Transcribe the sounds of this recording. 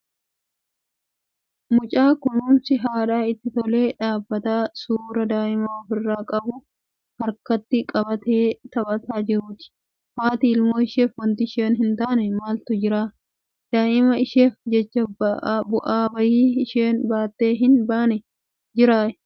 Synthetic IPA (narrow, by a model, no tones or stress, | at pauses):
mʊt͡ʃʼaːkʊnuːnsɪɦaːᶑaːɪt̪ːɪt̪ɔle̞ːᶑaːbːɐt̪aːsuːɾɐd̪aːʔɪmɐɔfɪrːaːkʼɐbʊ | hɐɾkɐt̪ːɪkʼɐbɐt̪e̞ːt̪ɐbɐt̪aːd͡ʒɪɾuːt̪ɪ̥ | maːt̪iːɪlmoːɪʃeːfwɐnt̪ɪʃeːnɦɪnt̪aːnɛmaːlt̪ʊd͡ʒɪɾaː | d̪̥aːʔɪmɐɪʃe̞ːfd͡ʒɛt͡ʃːɐbɐbʊʔaːbɐjiːɪʃeːnbaːt̪ːe̞ːɦɪnbaːnɛ | d͡ʒɪɾaːʔɛ̥